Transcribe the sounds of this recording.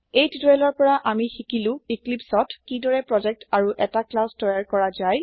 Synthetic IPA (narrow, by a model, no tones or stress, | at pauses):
ejtitɛlɔɹpɔɹaʔamixikilʊ̃iklipsɔtkidɔɹɛpɹɔd͡ʒɛk̚taɹuʔɛtaklastɔjaɹkɔɹazaj